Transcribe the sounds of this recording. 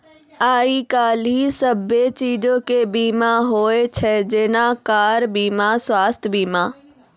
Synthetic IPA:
aːikaːlisəbet͡ʃiːd͡ʒõkebiːmaɦoːet͡ʃʰɛd͡ʒeːnakaːɾbiːmaswaːst̪ʰjbiːmãː

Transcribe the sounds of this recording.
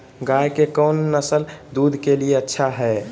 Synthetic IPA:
ɡajkekəwnːəsəld̪ud̪ʱkelieətːʃʰaɦɛ

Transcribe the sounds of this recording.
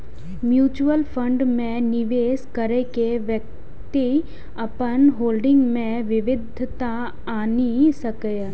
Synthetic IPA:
mjuːt͡ʃuəlpʰə̃ɳɖmẽnɪʋeːskəɾekeʋjək̚ | t̪i | ɐpənɦoːlɖɪ̃ŋɡmẽʋɪʋɪd̪ʱt̪a | aːnisɐkəj

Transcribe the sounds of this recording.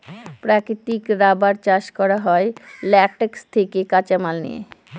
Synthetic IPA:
pɾakɾit̪ikɾabaɾt͡ɕaʃkɔɾaɦɔelɛʈekst̪ʰekekat͡ɕamalnḭḛ

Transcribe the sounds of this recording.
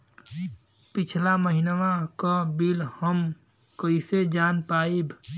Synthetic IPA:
pit͡ʃʰlaməɦinʋãkəbilhəm | kəised͡ʒaːnpaːibʱ

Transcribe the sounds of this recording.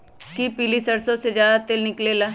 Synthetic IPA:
kipilisəɾsõːsed͡ʒjaːd̪aːt̪elnɪkleːlaː

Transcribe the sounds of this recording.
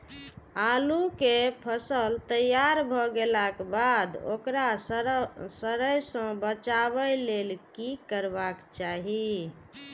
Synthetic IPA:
alukepʰəsəlt̪əjaɾbʱɔɡelakbad̪o̰kɾa | səɾəjsə̃bət͡ʃaβəlelkikəɾbakt͡ʃaɦi

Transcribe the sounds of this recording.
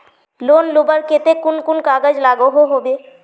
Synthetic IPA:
loːnlobəɾket̪ekʊnkʊnkaːɡəd͡ʒlaːɡoɦoɦobeː

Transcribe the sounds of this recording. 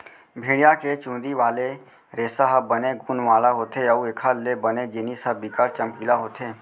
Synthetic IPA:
bʱẽːɽijaket͡ʃũːd̪iʋaːle | ɾeːsaɦəbəneɡuːnʋaːlaɦoːt̪eəuekʰalebəned͡ʒɪnisəbikaɾt͡ʃəmkiːlaɦoːt̪ʰeː

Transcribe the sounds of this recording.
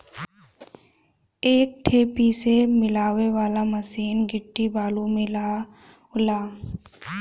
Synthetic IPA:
eːk̚ʈʰeːpisemɪlaːʋeʋaːlamɐsiːnɡɪʈːibaːlumɪlaː | ʊlaː

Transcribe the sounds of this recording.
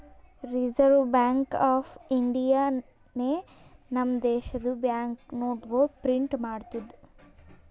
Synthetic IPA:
ɾid͡ʒɐɾʋbaːŋkaːpʰiɳɖijaː | ne | nɐmd̪ɛːʃɐd̪ubjaːŋknoːʈɡopɾiɳʈmaːɽt̪ud̪u

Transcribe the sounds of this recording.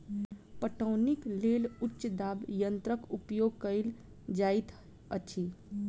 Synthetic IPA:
pəʈəʊnikleːlʊtːt͡ʃʃd̪aːbjə̃nt̪ɾəkupjoːɡ̚kəɪl | d͡ʒaːit̪ | əʃʰi

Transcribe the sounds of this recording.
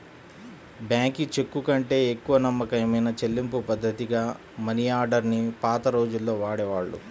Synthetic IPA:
bjaːŋkit͡ʃe̞kːukɐɳʈe̞ːekːuʋɐnɐmːɐkɐjmɐjnɐt͡ʃe̞lːimpupɐd̪ʱːɐt̪iɡaː | mɐnijaːɾɖɐɾnipaːt̪ɐɾo̞ːd͡ʒulːo̞ːʋaːɽeːʋaːɭːṵ

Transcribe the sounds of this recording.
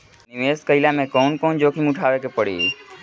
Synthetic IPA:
niʋeskəɪlamẽkɔnkoːnd͡ʒokʰimuʈʰaʋekepəɽḭ

